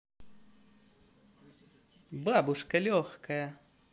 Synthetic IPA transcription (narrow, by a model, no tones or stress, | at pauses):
babuʂkɐlʲɔxkɐjɐ